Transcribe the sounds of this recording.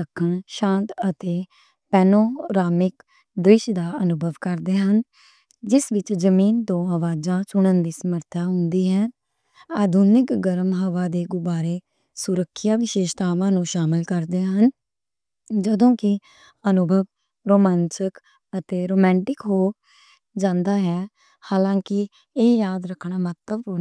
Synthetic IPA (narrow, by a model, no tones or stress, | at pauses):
əkʰːəɳʃãːnt̪ət̪eː | pɛːnoːɾaːmɪk | d̪ɾɪʃd̪aːənʊbʱəʋkəɾd̪eːɦən | d͡ʒɪsʋɪt͡ʃzəmiːnt̪õːɦəʋaːd͡ʒãːt͡ʃʊɽ̃ənd̪iːsəməɾt̪ʰaːɦʊnd̪iːɦɛː | aːd̪ʱunɪkɡəɾmɦəʋaːd̪eːɡʊbaːɾeː | sʊɾəkʰːjaːʋɪʃeːʃt̪aːʋãːnũːʃaːmɪlkəɾd̪eːɦən | d͡ʒəd̪õːkɪ | ənʊbʱəʋ | ɾoːmɛ̃ːnsək | ət̪eːɾoːmɛ̃ːɳʈɪkɦoː | d͡ʒãːnd̪aːɦɛː | haːlãːkɪ | eːjaːd̪ɾəkʰɽɳ̃aːmət̪ləbo